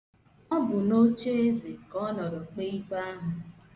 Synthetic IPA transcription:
ɔ˦bʊ˨no˦t͡ʃe˦e˦zi˨kɔ˦nɔ˨ɾɔ˨k͡pe˦i˦k͡pa˦ɦʊ˨

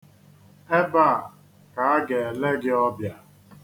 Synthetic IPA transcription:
e˦ba˦˨ | ka˨a˦ɡe˨le˦ɡɪ˦ɔ˦bja˨

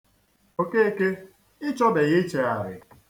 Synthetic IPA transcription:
o˦ke˦e˦ke˦ | ɪ˦t͡ʃɔ˦be˨ɣɪ˦t͡ʃe˨a˨ɾɪ̰˨

